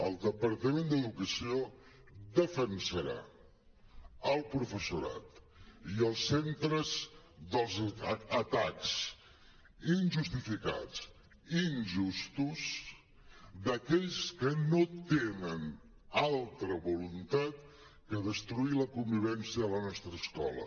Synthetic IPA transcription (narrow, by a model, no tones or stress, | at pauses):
əlˠd̪əpəɾt̪əmend̪əðukəsio | d̪əfənsəɾa̰ | əlˠpɾufəsuɾa̰t̪ | iəlˠsːent̪ɾəz | ðəlˠzət̪aks | inʒust̪ifika̰t͡s | inʒust̪uz | d̪əkɛʎskənot̪enən | alˠt̪ɾəβulunt̪at̪̚ | kəðəst̪ɾuiləkumbiβɛnsiəələnɔst̪ɾəːskɔ̰lə̰